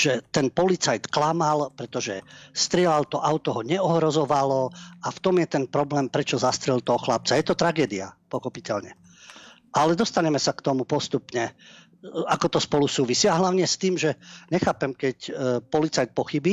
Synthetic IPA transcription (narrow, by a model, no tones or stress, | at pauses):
ʒ̥ɛt̪ɛnpɔlit͡sajt̪klamalpɾɛt̪ɔʒɛst̪ɾɪɛlalt̪ɔʔaʊt̪ɔɦɔɲɛɔɦɾɔzɔʋalɔaft̪ɔmjɛt̪ɛnpɾɔblɛːmpɾɛt͡ʃɔzast̪ɾɛlt̪ɔɦɔxlap̚t͡sajɛt̪ɔt̪ɾaɡɛːd̪ia̰pɔxɔpicɛlɲɛ | ʔalɛd̪ɔst̪aɲɛmɛsakt̪ɔmupɔst̪upɲɛ | akɔt̪ɔspɔlusuːʋisiaɦlaʊɲɛst̪iːmʒɛɲɛxaːpɛmkɛcpɔlit͡sajt̪̚pɔxibiː